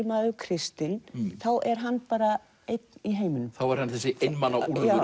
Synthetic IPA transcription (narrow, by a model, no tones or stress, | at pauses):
maːðʏkʰɾɪst̪ɪnθawʔɛɾ̥ɦanːpaːɾa | ejt̪niɦeːjmɪnːʏmθawɛɾ̥hanθɛsːɪʔejnmanːaua